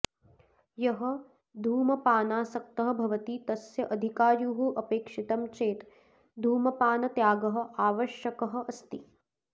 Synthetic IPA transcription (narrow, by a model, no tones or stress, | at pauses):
jɐɦɐ̆ | d̪ʱuːmɐpaːnaːsɐk̚t̪ɐɦɐ̆bʱɐʋɐt̪it̪ɐsjɐʔɐd̪ʱikaːɾjuːɦuʔɐpeːkʂit̪ɐmt͡ʃeːt̪ | d̪ʱuːmɐpaːnɐt̪jaːɡɐɦɐ̆aːʋɐʃjɐkɐɦɐ̆ʔɐst̪i